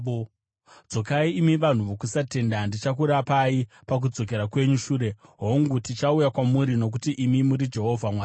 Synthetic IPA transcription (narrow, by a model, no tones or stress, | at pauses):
d͡zo̞kaiːmiʋan̤uʋokusate̞ndandit͡ʃak̬uɾapai | pak̬ud͡zo̞k̬e̞ɾakwe̞ɲuʃuːɾe̞ɦoŋɡutit͡ʃaujakwamuɾino̞k̬utiʔimimuɾid͡ʒe̞ɦo̞vʱamwaː